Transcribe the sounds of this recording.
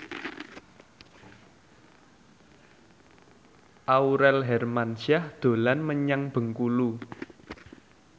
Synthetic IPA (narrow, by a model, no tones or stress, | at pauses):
ʔauɾɛlɦɛrmansahd̪̥o̤lanməɲaŋb̥ə̤ŋkulu